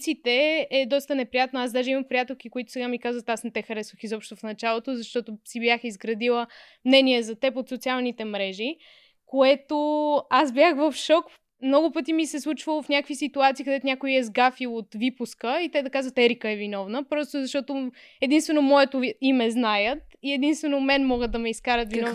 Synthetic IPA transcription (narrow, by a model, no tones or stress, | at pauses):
sit̪ɛɛd̪ɔst̪ənɛpɾijat̪noazd̪aʒɛimɐmpɾijat̪ɛlˠkikoit̪ʊ̥sɛɡamikazvət̪asnɛt̪ɛxɐɾɛsvəxizɔpʃt̪ofnɐt͡ʃalˠot̪ozɐʃt̪ɔt̪osibjaxizɡɾɐd̪ilˠə | mnɛniɛzɐt̪ɛpot̪sot̪sialˠnit̪ɛmɾɛʒi | koɛt̪oasbjaxvəfʃɔk | mnɔɡʊpɤt̪̬imisɛslˠut͡ʃvəlˠofnʲakəkvisit̪uat̪siːkəd̪ɛt̪onʲakoiɛzɡafilˠot̪vipʊskəit̪ɛd̪ɐkazvət̪ɛɾikəɛvinɔvnəpɾɔst̪ozɐʃt̪ɔt̪o | ɛd̪inst̪vɛnomɔɛt̪oimɛznajət̪iɛd̪inst̪vɛnomɛnmɔɡəd̪ɐmɛiskaɾət̪vinv